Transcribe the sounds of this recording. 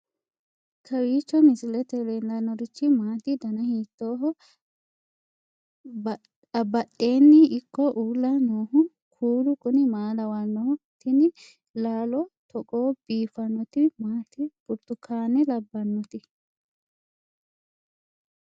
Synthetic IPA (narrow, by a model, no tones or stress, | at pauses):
kʰɐwiːt͡ʃːɔmɪsɪlɛt̪ɛlend̪ɐnːɔɾɪt͡ʃːɪmaːt̪ɪd̪ɐnɐhiːt̪ːoːɦɔ | ɐbɐɗe̞ːnːɪʔɪkːɔʔuːlːɐnoːhʊ | kʰuːlʊkʼʊnɪmaːlɐwɐnːot̪ɪnɪ | laːlɔt̪ɔkʼoːb̥iːfɐnːɔt̪ɪmaːt̪ɪb̥ʊɾt̪ːʊkʰːaːnːɛlɐbːɐnːɔt̪ɪ